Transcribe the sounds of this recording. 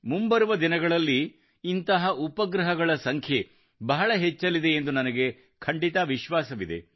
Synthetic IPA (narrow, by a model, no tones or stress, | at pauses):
mumbɐɾuʋɐd̪inɐɡɐɭɐlːiː | nt̪ɐɦɐʔupɐɡɾɐɦɐɡɐɭɐsɐŋkʰje̞ | bɐɦɐɭɐɦet͡ʃːɐlid̪e̞ːnd̪unɐnɐɡe̞ | kʰɐɳɖit̪ɐʋiʃʋaːsɐʋid̪e̞̰